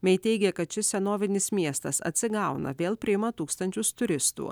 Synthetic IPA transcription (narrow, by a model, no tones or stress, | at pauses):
mʲɛɪt̪ʲɛɪɡʲɛkɐt̪t͡ʃʲɪsʲɛnoːʋʲɪnʲɪsmʲiɛst̪ɐsɐ̰t̪ʲsʲɪɡɐʊnɐ̰ʋʲeːlˠpʲɾʲɪjɪmɐt̪uːkst̪ɐnʲt͡ʃʲʊst̪ʊɾʲɪst̪ṵː